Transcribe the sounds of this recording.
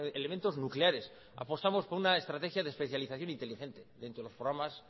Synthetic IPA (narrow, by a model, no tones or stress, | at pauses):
element̪o̞znukleaɾe̞s | a̰po̞st̪amo̞spoɾunaest̪ɾat̪e̞xjaðespe̞θjaliθaθjo̞nint̪elixe̞nt̪e̞ðent̪ɾoelo̞spɾoɣɾamas